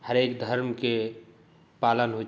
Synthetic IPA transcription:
həɾekd̪ʱəɾmke | palənɦo

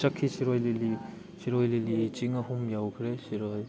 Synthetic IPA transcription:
t͡ʃakʰːisiɾɔjlili | siɾɔjlilit͡ʃiŋahumjawkʰɯɾesiɾɔj

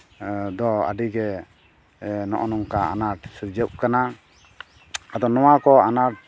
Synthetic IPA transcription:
d̪ɔa̰ɖiɡɛ | nɔ̰ʔɔnɔŋkaa̰naʈsuɾd͡ʒəw̚kana | ad̪ɔnɔwakɔanaʈ̚

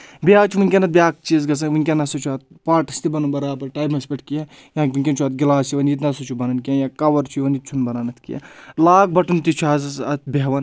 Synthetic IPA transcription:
biaːt͡ʃʰuʋunʲkʲɐnɐt̪̚bʲjaːk̚t͡ʃizɡɐsɐnʋunʲkʲɐnɐsɐt͡ʃʰuat̪̚ | paːʈɐst̪ibɐnunbɐɾaːpɐɾʈaːjbɐnspʲɐʈʰʲkiɐ | jãːkʲʋinʲkʲɐnt͡ʃʰuɐt̪̚ɡʲilaːsiʋɐnit̪nɐsɐt͡ʃʰubɐnɐnkʲiãjãːkɐʋɐɾt͡ʃʰuʋɐnit͡ʃʰunbɐɾanɐt̪ʰkḭjɐ̰laːk̚bɐʈunt̪it͡ʃʰuazɐsɐt̪̚bʲeɦʋɐn

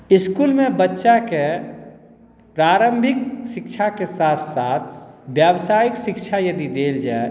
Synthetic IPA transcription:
ɪskuːlmẽbətːʃake | pɾaːɾə̃mbʱɪkʃɪkʃʰakesaːt̪ʰsaːt̪ʰbjawsaːjɪkʃɪkʃʰajɐd̪id̪eːld͡ʒaːe

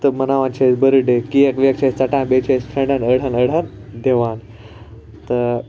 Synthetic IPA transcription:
t̪əmənaʋãnt͡ɕʰesbəɾəɖekiekʋjɐk̚t͡ɕʰast͡saʈãnbet͡ɕʰesʈʰə̃ɳɖanəɽ̤anəɽ̤and̪ʱeʋãn | t̪ə

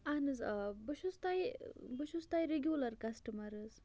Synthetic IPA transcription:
anɨzbəʃust̪ajbəʃust̪ajɾeɡjulɐɾkɐsʈɐmɐɾɨz

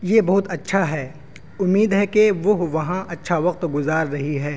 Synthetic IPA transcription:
jebɐɦʊt̪ɐtːʃʰaɦɛː | ʊmːiːd̪ɦɛkeʋoʋɐɦãʔɐtːʃʰaʋɐq̚t̪ɡʊzaːɾːɐɦiɦɛː

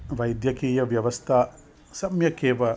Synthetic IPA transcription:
ʋajd̪jɐkijɐʋjɐʋɐst̪ʰa | sɐmjɐkebɐ

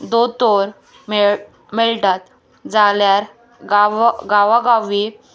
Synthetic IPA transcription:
d̪ot̪oɾ | me | meɭʈat̪̚ | d͡zaljaɾ | ɡaɡaʋaɡaʋi

